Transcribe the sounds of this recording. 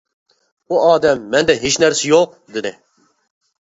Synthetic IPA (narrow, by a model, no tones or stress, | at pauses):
uɑːd̪ɛmːɛnd̪ɛɦit͡ʃnɛɾsijoq̚ | d̪ɨnɛ